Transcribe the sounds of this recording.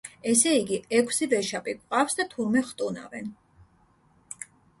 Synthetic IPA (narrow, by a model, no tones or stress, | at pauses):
ɛsɛiɡiɛkʰsivɛʃapʼikʼqʼafsd̪at̪ʰuɾmɛχt̪ʼuna̰vɛn